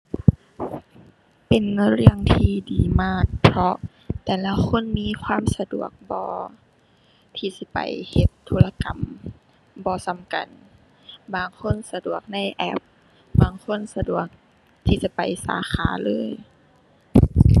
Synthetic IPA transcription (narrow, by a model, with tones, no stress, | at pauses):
pe˨˩nɾɯ˧˩əŋt̪ʰiː˧˩diː˨˩maː˧˥˩k̚pʰɾɔ˧ | t̪ɛː˨la˧kʰo˧˥˨nmiː˧˥˨kʰwaː˧˥˨msa˧du˨˩ək̚bɔː˧ | t̪ʰiː˧˩si˧˦pa̰˨jhe˧t̪ʰːuː˧˥la˧ka˨m | bɔː˧sa˧˦mka̰˨n | baː˨˩ŋkʰo˧˥˨nsa˧du˨˩ək̚na˧˥˨jʔɛ˦˥p̚ | baː˨˩ŋkʰo˧˥˨nsa˧du˨˩ək̚ | t̪ʰiː˧˩sa˧˦pa˨˩jsa̰ː˨˦xʰaː˨˦lɤː˧˥˨j